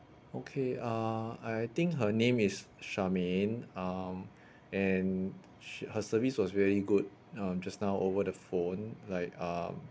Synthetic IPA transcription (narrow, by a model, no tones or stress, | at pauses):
okʰeʌajt̪ɪ̃ŋkɦənẽmisʃamenʌm | ɛ̃n | həsəviswɔsvɛɹiɡud̚ | ʌ̃md͡ʒasnaʊʔovədəfõnlaɪkʌm